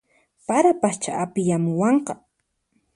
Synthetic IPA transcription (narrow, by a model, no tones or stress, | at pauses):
paɾapat͡ʃaʔapɪjamʊwɑɴqɑ